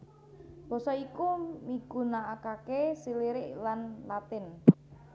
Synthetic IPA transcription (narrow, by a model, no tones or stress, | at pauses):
b̥o̤sɔikumiɡ̥ṳnaʔːkakesiliɾɪʔlanlat̪ɪn